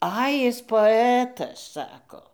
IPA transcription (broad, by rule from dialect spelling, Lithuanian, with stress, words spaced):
ˈɐɪ ˈjɪs poːˈæːtɐs ˈsɑːkoː